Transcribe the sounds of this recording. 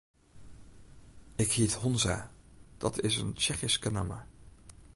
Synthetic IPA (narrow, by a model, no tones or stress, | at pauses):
ɪkhiətɦɔnza̰ːd̥ɑtʰɪsə̰nt͡ʃɛχiskəna̰ma̰